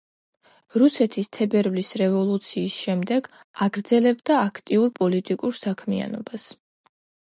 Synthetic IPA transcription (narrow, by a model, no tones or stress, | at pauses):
ɾusɛt̪ʰist̪ʰɛbɛɾvlisɾɛvɔlˠut̪sʰiːsʃɛmd̪ɛɡ | aɡɾd̪zɛlɛbd̪aːkʰt̪ʼiuɾpʼɔlit̪ʼikʼuɾsakʰmia̰nɔ̰bas